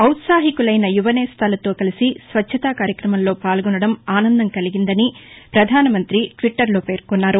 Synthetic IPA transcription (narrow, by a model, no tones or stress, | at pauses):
ɐwt̪saːɦikulɐjnɐjuʋɐnɛst̪ʰaːlɐt̪o̞ːkɐlisisʋɐtt͡ʃʰːɐt̪aːkaːɾjɐkɾɐmɐllo̞ːpaːlɡɔnɐɽɐmaːnɐnd̪ɐmkɐliɡind̪ɐnipɾɐd̪ʱaːnɐmɐnt̪ɾiʈʋiʈːɐɾlo̞ːpe̞ːɾkunːaːɾu